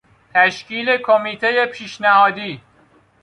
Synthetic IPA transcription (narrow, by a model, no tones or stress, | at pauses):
t̪ʰæʃciːle̞kʰomiːt̪ʰe̞je̞pʰiːʃnæhɒːd̪iː